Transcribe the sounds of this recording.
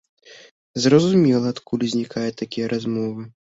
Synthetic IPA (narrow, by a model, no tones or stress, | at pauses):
zrɐzumʲɛlˠɐːt̪kʰulʲizʲnʲikajɛt̪ːakʲijɐɾʔazmɔvɨ